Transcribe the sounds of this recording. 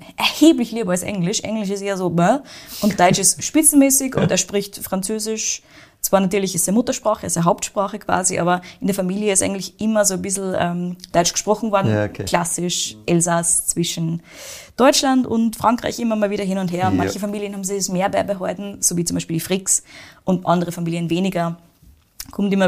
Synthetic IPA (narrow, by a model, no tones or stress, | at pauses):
ʔɛɐheːblɪçliːbəalsʔɛ̰ŋlɪʃʔɛ̰ŋlɪʃɪsteːɐzoːbəʔʊnt̚d̥ɔʏt͡ʃɪstʃpɪt͡sn̩mɛːsɪçʊ̰nteːɐʃpʁɪçtfʁ̥ant͡søːzɪʃ | t͡sv̥aːɐnatyːɐlɪçɪstɛɐmʊtɐʃpʁ̥aːχəɪstdɛɐɦaʊp̚tʃpʁ̥aːχəkʰv̥a̰ːziʔa̰ːbɐʔɪndeɐfamiːlijəɪstʔaɪɡŋn̩tlɪçʔɪmɐzoːbɪsl̩ɛ̰md̥ɔʏt͡ʃɡ̥ə̥ʃpʁ̥ɔχn̩vɔɐdn̩kʰl̥asɪʃʔɛlzast͡sv̥ɪʃn̩ | d̥ɔʏt͡ʃlandʊ̰ntfʁ̥aŋkʁ̥a̰ɪçʔɪmɐmaːlviːɾɐhɪnʊntheːɐʊnma̰nnçəfamiːljənhaːbm̩zɪçɛsmeːɐbɛbəɦɔɪtn̩z̥oːviːt͡sʊmbaɪʃpiːldifʁɪksʔʊntʔa̰ndəʁəfamiːliənveːnɪɡɐ | kʰʊmtɪmɐ